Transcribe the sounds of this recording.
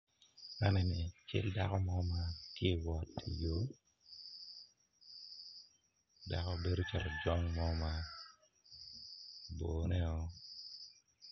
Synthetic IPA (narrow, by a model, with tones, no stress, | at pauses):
ma˦nɛ˨nɪ˨t͡ʃɪ̰˦lda˦kɔ˦mɔ˦ma˦kje˦wɔ˨ti˨jo˦ | da˨kɔ˦be˦do˦t͡ʃa˨ɾɔ˨d͡ʒɔ˦ŋmɔ˦ma˦ | boː˨nɛ˦ɔ˦